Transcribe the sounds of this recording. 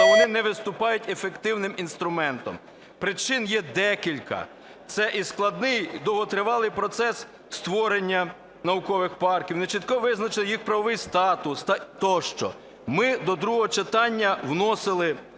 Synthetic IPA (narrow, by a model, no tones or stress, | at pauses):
ʋɔnɪnɛʋɪst̪ʊpɑjʊtʲefekt̪ɪwnɪminst̪ɾʊmɛnt̪ɔ̰m | pɾɪt͡ʃɪnjɛd̪ɛkʲilʲkɐ̰ | t̪sɛʔisklˠɐd̪nɪjd̪ɔɦɔt̪ɾɪʋɑlˠɪjpɾɔt̪sɛs | st̪ʋɔɾenʲːɐ | nɐwʊkɔʋɪxpɑrkʲiwnet͡ʃit̪̚kɔʋɪznɐt͡ʃɪlˠɪjixpɾɐʋɔʋɪjst̪ɑt̪ʊst̪ɑt̪ɔʃt͡ʃɔ̰ | mɪd̪ɔd̪ɾuɦɔɦɔt͡ʃet̪ɑnʲːɐwnɔsɪlˠɪ